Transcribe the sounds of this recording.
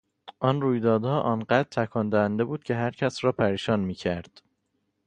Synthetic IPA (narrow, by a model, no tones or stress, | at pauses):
ʔɒnruːjd̪ɒːd̪hɒːʔɒːnɢæd̪ɾt̪ʰækʰɒːnd̪æhænd̪e̞buːd̪̥̚cʰe̞ɦæɾcʰæsrɒːpʰæɾiːʃɒːnmiːcʰæɾd̪̥